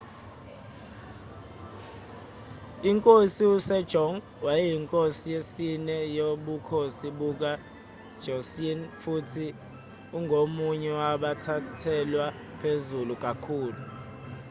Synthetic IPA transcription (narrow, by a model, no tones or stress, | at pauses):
iŋkʼosiusɛd̥ʒ̥ʱɔŋ | wajɛjiŋkʼosijesinɛjoɓukʰosiɓuk̬a | d̥ʒ̥ʱɔsinfutʰi | uŋɡʱomuɲɛwaɓatʰatʰɛlwa | pʰezuluk̬ʼakʰuːlu